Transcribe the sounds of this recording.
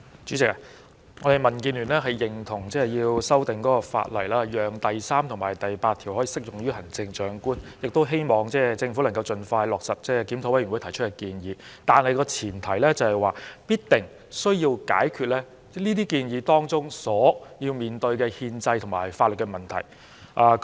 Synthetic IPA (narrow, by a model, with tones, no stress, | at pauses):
t͡ʃy˨˥t͡sɪ˨k̚a˧ | ŋɔː˨˧e˨jmɐ˨˩nkiː˧nlyː˨˩nlɛː˥ɦɐ˨jːɪ˨ŋt̪ʰʊ˨˩ŋt͡sɛː˥jiː˧wsɐ˥wt̪ɪ˨ŋkɔː˨˥kɔː˧fa̰˧t̚lɐ̰˨˩jlaː˥jœː˨ŋt̪ɐ˨˩jsaː˥mt̪ʰʊ˨˩ŋmaː˨˩jt̪ɐ˨jpaː˧t̪ʰi˨whɔ˨˥iː˨˧sɪ˥k̚jʊ˨˩ŋɥyː˥ɦɐ˨˩ŋt͡sɪ˧ŋt͡ʃœː˨˥ŋkuː˥njɪ˨k̚t̪o˥wɦe˥jmɔː˨ŋt͡sɛː˥t͡sɪ˧ŋfu˨˥lɐ˨˩ŋkɐ˧wt͡sɵ˧nfaː˧jlɔː˨k̚sɐ˨t̚t͡sɛː˥˩kiː˨˥mt̪ʰwɐ˥jɥy˨˩wu˨˥jt̪ʰɐ˨˩jt͡ʃʰɵ˥tkɛ˧kiː˧njiː˨˧t̪aː˨nhɐ˨jkɔː˧t͡sʰiː˨˩nt̪ʰɐ˨˩jlɛː˥t͡sɐ˨whɐ˨˩jwaː˨˩piː˥t̚t̪ɪ˨˩ŋ | sɵ˥ɥjiː˧wka̰ː˨˥jkʰy˨t̚lɛ˥ | liː˥t̪iː˥kiː˧njiː˨˧t̪ɔː˥ŋt͡sʊ˥ŋsɔː˨˥jiː˧wmiː˨nt̪ɵ˧ɥkɛ˧hiː˧nt͡sɐ˧jt̪ʰʊ˨˩ŋmaː˨˩jfaː˧t̚lə˨t̚kːɛ˧mɐ˨˩nt̪ʰɐ̰˨˩j | ʔaː˧